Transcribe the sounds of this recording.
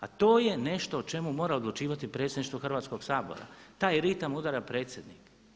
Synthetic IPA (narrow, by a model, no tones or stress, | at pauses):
at̪o̞ːje̞ne̞ʃt̪oːt͡ʃe̞mumo̞ːɾao̞d̪lˠut͡ʃiːʋat̪ipɾe̞tsjed̪niʃt̪ʋoxr̩ʋaːt̪sko̞ɡsaːbo̞̰ɾa̰t̪aːjɾit̪amud̪aɾapɾe̞ːt̪sjed̪nik